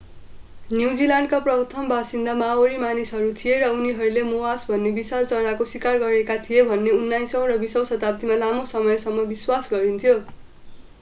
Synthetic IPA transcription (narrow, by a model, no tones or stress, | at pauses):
njuwd͡zilaɳɖkaprʌt̪ʰʌmbasind̪amaoɾimanisɦʌɾut̪ʰijeɾʌuniɦʌɾulemowasbʱʌnːebisalt͡sʌɾakoswikarɡʌɾekat̪ʰijebʱʌnːeunːajsʌ̃w̃rʌbisʌw̃sʌt̪apʌt̪imalamosʌmʌjsʌmːʌbiswasɡʌɾint̪ʰijo